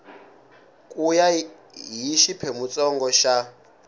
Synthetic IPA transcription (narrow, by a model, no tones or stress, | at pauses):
kʼuja | ɦiʃipʰɛmut͡sʼɔŋɡɔʃa